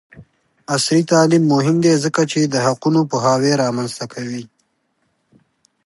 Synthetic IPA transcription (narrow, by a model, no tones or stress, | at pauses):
asɾit̪ɑːlimːʊɦɪmd̪ezəkat͡ʃed̪əɦaqunopəɦaːweɾɑmanzt̪akʰawi